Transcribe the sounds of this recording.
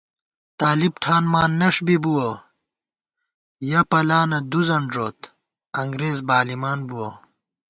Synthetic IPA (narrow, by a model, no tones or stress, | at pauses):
t̪aːlibʈʰaːnmaːnːɐʂbibuwo | jɐpɐlaːnɐd̪uzɐɳʐoːt̪ | ɐŋɡɾeːzbaːlimaːnbuwo